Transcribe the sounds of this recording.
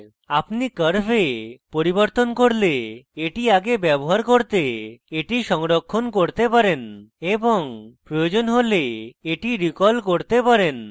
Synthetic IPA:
apnikəɾbepoɾiboɾt̪onkoɾleeʈiaɡebɛboɦaɾkoɾt̪eeʈiʃɔŋɾokʰːonkoɾt̪epaɾeneboŋpɾojod͡ʑonɦoleeʈiɾikɔlkoɾt̪epaɾen

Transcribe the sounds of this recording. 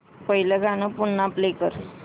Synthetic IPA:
pəɦiləɡʱanəpunːaplekəɾ

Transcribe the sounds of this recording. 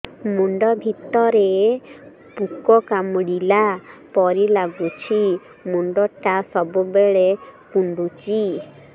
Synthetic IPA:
muɳɖɔbʱit̪ɔɾe | pukɔkamɽilapɔɾilaɡut͡ʃʰi | muɳɖɔʈasɔbubeɭekuɳɖut͡ʃi

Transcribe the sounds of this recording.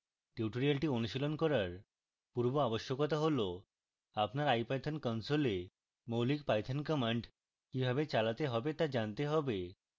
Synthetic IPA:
ʈiʈoɾialʈionuʃilonkɔɾaɾ | puɾboaboʃːokɔt̪aɦolo | apnaɾajpajt̪ʰankɔnsole | mowlik̚pajt̪ʰankɔmaɳɖ | kibʱabet͡ɕalat̪eɦɔbet̪ad͡ʑant̪eɦɔbe

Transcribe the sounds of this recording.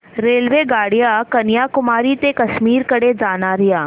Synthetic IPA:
ɾeːlʋeɡaːɽɪjakɐnjaːkʊmaːɾit̪ekɐʃmiːɾkɐɽed͡ʒaːnaɾɪjaː

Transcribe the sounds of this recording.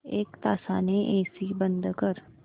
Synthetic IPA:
eːkt̪aːsaːneʔeːsiːbənd̪kəɾ

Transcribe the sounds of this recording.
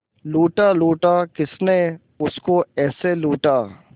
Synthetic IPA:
luːʈaːluːʈaːkɪsne | ʊskoɛːseluːʈaː

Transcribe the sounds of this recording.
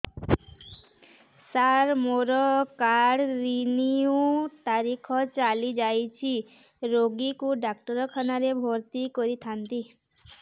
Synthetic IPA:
saɾmoɾɔkaɽɾiniũt̪aɾikʰɔt͡ʃalid͡ʒajt͡ʃʰi | ɾoɡikuɖak̚ʈɔɾɔkʰɔnaɾebʱoɾt̪ikɔɾit̪ʰant̪i

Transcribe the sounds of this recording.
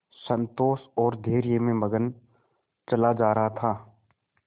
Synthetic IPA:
sə̃nt̪oːsɔːɾd̪ʱeːɾijemẽmɐɡən | t͡ʃɐlad͡ʒaːɾɐɦat̪ʰaː

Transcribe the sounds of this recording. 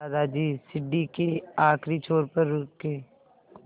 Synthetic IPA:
aːd̪ad͡ʒiːsɪɖːikeaːkʰɾit͡ʃʰoːɾpəɾːʊkːeː

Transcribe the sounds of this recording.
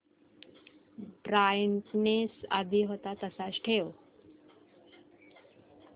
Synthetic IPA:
bɾajɳʈnesa̰d̪ʱiɦot̪at̪əsasʈʰew

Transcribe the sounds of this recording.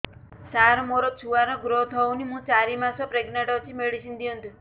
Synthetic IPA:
saɾmoɾɔt͡ʃʰuʋanɔɡɾot̪ʰɔunimũt͡ʃaɾimasɔpɾeɡneʈɔt͡ʃʰimeɭisind̪iənd̪u

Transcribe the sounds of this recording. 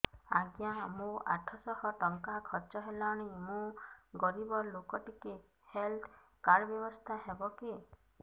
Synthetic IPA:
aɡjamũa̰ʈʰɔsɔhɔʈɔŋkakʰɔt͡ʃɔɦelaɽ̃imũɡɔɾibɔlokɔʈike | helt̪ʰ | kaɾbjɔbɔst̪ʰaɦebɔki

